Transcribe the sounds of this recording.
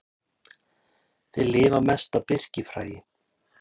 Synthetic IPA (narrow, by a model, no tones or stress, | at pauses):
θɪðlɪːvamɛst̪awpɪr̥cɪfɾa̰ːjɪ